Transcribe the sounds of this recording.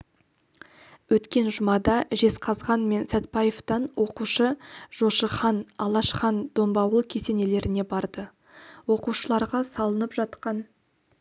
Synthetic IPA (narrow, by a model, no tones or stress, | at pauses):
wɵt̪kʲe̞nʒʊmɑd̪ɑʒe̞sqʰɑzʁɑnme̞nsæt̪̚pɑjeft̪ɑnwʔo̞quʃəʒ̥o̞ʃəχɑnɑlˠɑʃχɑnd̪o̞mbɑwəlˠkʲʰe̞se̞ne̞le̞ɾɪne̞bɑɾd̪ə | wo̞quʃəlˠɑɾʁɑsɑlˠənəpʒɑt̪qɑn